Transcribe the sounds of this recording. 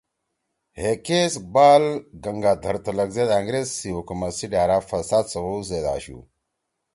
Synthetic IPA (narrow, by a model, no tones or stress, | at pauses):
hekesbaːlɡɐŋɡaːt̪ʰɐɾt̪ɐlɐɡzed̪aːŋɡɾezsiwukumɐsiɖaːɾaːfɐsaːd̪sɐwozed̪a̰ɕṵ